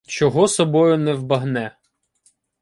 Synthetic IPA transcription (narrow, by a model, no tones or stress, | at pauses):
t͡ʃɔɦɔsɔbɔjʊnɛwbɐɦnɛ